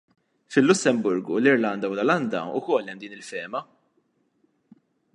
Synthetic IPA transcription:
fɪlːʊsːɛmbʊɾɡulɪɾlɐnd̪ɐwlɔlɐnd̪ɐ̰ʊ̰kɔlːɛmd̪iːnɪlfɛːmɐ

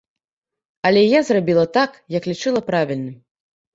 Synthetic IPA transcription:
ɐlʲɛjazrabʲilˠɐt̪akjɐklʲit͡ʂɨlˠɐpɾavʲilʲnɨm

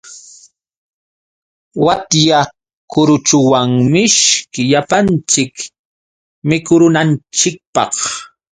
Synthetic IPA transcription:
wat̪ja | kʊɾʊt͡ʃʊwaŋmɪʃkɪʎapant͡ʃɪk | mɪkʊɾʊnant͡ʃɪk̚pɑ̰χ

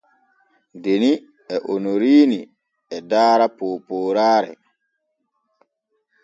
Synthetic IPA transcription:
deni | ɛʔonoɾiːni | ɛdaːɾapoːpoːɾaːɾɛ̰

